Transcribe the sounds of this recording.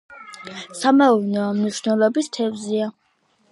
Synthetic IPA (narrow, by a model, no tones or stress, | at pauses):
samaunɛɔmniʃnɛlˠɔbist̪ʰɛvzia